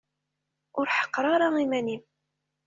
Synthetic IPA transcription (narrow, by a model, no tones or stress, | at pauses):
ʊɾħə̥qɾˤɑɾˤɑimænim